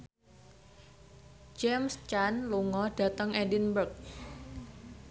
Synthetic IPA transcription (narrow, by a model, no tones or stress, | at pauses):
d͡ʒɛmst͡ʃanluŋɔɖ̥ä̤t̪əŋɛdinbərk̚